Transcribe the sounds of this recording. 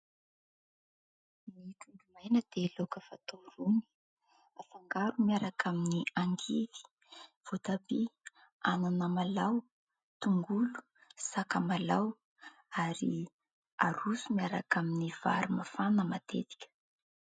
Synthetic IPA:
nituɖ͡ʐumajnəd̪̥elokəfat̪oɾuni̥ | afaŋɡaɾumiaɾakʰaminiaŋɡivi̥ | v̥ot̪abi | ananəmalaw | t̪uŋɡulu̥ | sakamalaw | aɾi | a̰ɾusumiaɾakaminiv̥a̰ɾumafanəmat̪ḛt̪i̥kʲə̥

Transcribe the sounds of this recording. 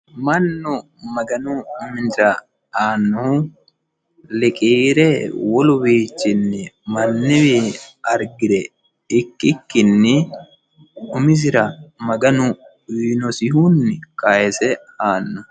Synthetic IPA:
mɐnːʊ | mɐɡɐnʊʊmɪnzɐ | aːnːɔh | lɛkʼiːɾɛwɔlʊbiːt͡ʃːɪnːɪmɐnːɪwɛɐɾɡɪd̪ɛ | ɪkːɪkːɪnːɪ | ʊmɪzɪɾɐmɐɡɐnʊ | wiːnɔsɪɦunːɪkʼɐjɛsɛ | aːnːɐ

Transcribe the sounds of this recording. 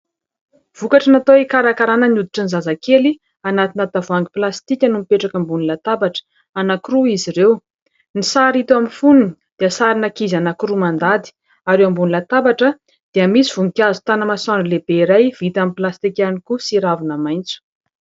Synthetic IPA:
v̥ukaʈ͡ʂənat̪oikaɾakaɾanəniud̪iʈ͡ʂənizazakeli | anat̪inat̪avuaŋɡiplast̪ikʲanumipeʈ͡ʂakəmbunilat̪abaʈ͡ʂə̥ | anakuɾuiziɾew | nisaɾit̪aminfununid̪̥easaɾinakizanakuɾumand̪ad̪i̥ | aɾewambunilat̪abaʈ͡ʂə | d̪̥eamisiv̥uŋikʲjazu̥t̪anəmasanlebeiɾajv̥it̪amiplast̪ikʲanikusiɾavinamajnt͡su̥

